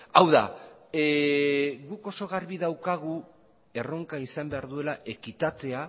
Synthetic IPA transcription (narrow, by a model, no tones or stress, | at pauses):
awða̰ | ɣuko̞so̞ɣ̞arβiðawkaɣ̞u | e̞ro̞ŋkaisambe̞aɾðue̞laʔe̞kit̪at̪e̞a